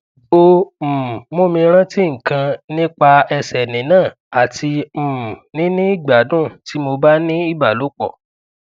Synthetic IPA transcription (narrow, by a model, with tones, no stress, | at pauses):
o˧m̩˨mo˦˨mĩ˧ɾ̃ã˦ti˦ŋ̩˨kã˧nĩ˦k͡pa˧ɛ˧sɛ˨nĩ˨nãː˦˨ | a˨tʰi˧m̩˨nĩ˦nĩ˦i˦˨ɡ͡ba˨˦dũ˦˨ti˨˦mo˧ba˦nĩ˦i˦˨ba˨lo˨˦k͡pɔ̰˦˨